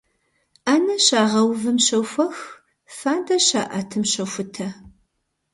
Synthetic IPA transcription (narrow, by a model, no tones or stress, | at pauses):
aːnɐɕaːʁɐwvɨmʃɐwfʷɐx | faːndɐɕaːʔɐtʰɨmʃɐwfʷʊtʰɐ